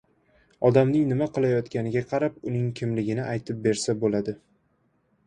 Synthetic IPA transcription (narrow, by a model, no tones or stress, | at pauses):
ɒd̪amnɪŋnɪmaqɨlˠajɒt̪kʲanɪɡʲaqʰɑɾapʊnɪŋkʲʰɪmlɪɡʲɪnɪʔajt̪ʰɪp̚be̞ɾsabolad̪ɪ